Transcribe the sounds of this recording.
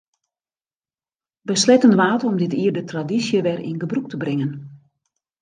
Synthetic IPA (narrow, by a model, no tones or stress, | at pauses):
bəslɛtənʋaːtəɔmdɪtiːərdətradisjəʋɛrḭnɡəbruk̚təbrɪŋən